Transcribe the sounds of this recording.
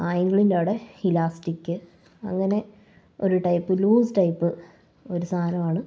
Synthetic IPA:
aːjɐŋɡɐɭindeːɽehilaːsʈikːɨ | ɐ̰ŋːɐne̞ | oɾuʈɐjpːɨluːsʈɐjpːɨ | o̞ɾusaːnɐmaːɳɨ

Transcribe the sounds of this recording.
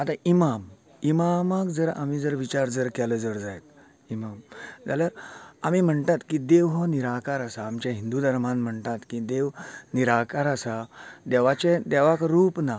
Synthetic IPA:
at̪aʔimam | imamakd͡zəɾa̰mid͡zəɾʋit͡ɕaɾd͡zəɾkɛləd͡zəɾd͡zajt̪̚ | imamd͡zaljaɾamim̤əɳt̪at̪kid̪eʋɦɔniɾakaɾasaːmt͡ɕjaɦĩnd̪ud̪əɾmãnm̤əɳt̪at̪kid̪eʋniɾakaɾasad̪ɛʋat͡ɕẽd̪ɛʋakɾuːpna

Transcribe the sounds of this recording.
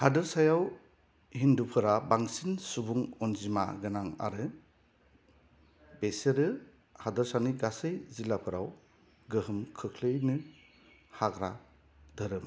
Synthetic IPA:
hadɯɾsajaw | hindupʰɯɾabaŋsinsubuŋɔnzima̰ɡɯnaŋa̰ɾɯ | beseɾɯ | hadɯɾsaniɡasɯjzilapʰɯɾaw | ɡɯɦɯmkʰɯkʰlɯjnɯ | haɡɾa | dɯɾɯm

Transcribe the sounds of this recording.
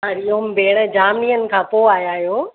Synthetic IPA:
aɾijombeːɽ̃əd͡ʑaːmniːənɪ̆kʰãːpoːaːjaːɦjoː

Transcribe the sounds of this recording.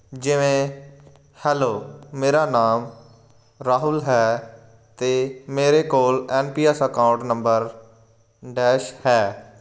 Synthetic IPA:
d͡ʒɪʋẽː | hɛːloːmeːɾaːnaːm | ɾaːɦʊlɦɛː | t̪eːmeːɾeːkoːlɛːnpiːɛsəkãːʊ̃ɳʈnəmbəɾ | ɖɛːʃhɛː

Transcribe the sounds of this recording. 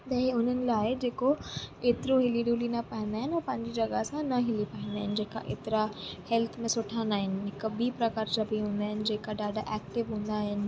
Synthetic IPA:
t̪ɐɦʊn̤ənɪ̆laːɪd͡ʑeːkoeːt̪ɪɾoɦɪliɗuːlinɐpɐɦɪ̃nd̪aːɦɪnɪɔːpɐ̃ɦɪ̃ɲd͡ʑid͡ʑɐɡasãnɐɦɪlipɐ̃ɦɪ̃nd̪aːɦɪnɪ̆d͡ʑeːka̰ʔḛːt̪ɪɾahɛlt̪ʰmẽsʊʈʰãnd̪aːɦɪnɪ̆ɦɪkbipɾɐkaːɾd͡ʑɐbʱiɦũːnd̪aːɦɪnɪ̆d͡ʑeːkaɗaːɖaʔɛːkʈɪʋɦũːnd̪aɦɪnɪ̆

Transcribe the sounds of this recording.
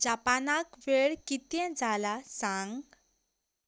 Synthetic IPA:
d͡ʑapanakʋeɭkit̪jɛ̃d͡zalasãŋɡ

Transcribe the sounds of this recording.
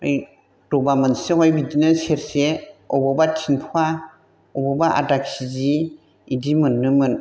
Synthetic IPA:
ɯj | d̥ɔbamɯnseɦɔjbidinɯseɾseɔbɔbatʰinpʰua | ɔbɔbaʔa̰dak̚siziː | dimɯnːɯmɯn

